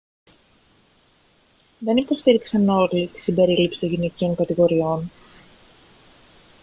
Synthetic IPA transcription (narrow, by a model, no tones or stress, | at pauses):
ðe̞nipo̞st̪iɾiksɐno̞lit̪i̥simbe̞ɾilipsi̥t̪o̞ɲʝinecio̞ŋkɐt̪iɣo̞ɾio̞n